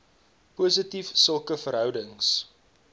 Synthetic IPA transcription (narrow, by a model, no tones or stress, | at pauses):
pusətifsəlˠkəfəɾɦœwdəŋs